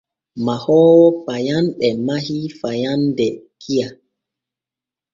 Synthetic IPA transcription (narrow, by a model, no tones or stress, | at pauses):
mahɔːwɔpajanɓɛmahifajandɛkʰija